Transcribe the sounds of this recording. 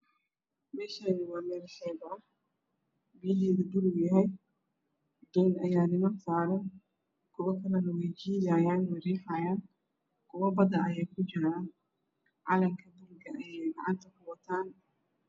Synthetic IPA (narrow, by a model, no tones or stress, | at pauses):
mɛːʃaːnɪwaːmɛːɾsɛːbʕɔf | bijlɛːðɪd̪ʊlɡjɐɦɛj | d̪ɔːnɐjaːnɪmɐnsaːɾɐn | kʰʊwɐkʰɐlɐnɐwɛjd͡ʒiːjaːjaːnwɐɾiːħaːjaːn | kʰʊwɐbɐd̪ɐʔɐjɛjkʰʊd͡ʒɪɾaːn | ʕɑːlɐŋkʰɐd̪ʊlɡɐʔɐjɛjɡɑ̰ʕɑ̰nt̪ʰɐkʊwɐt̪ʰaːn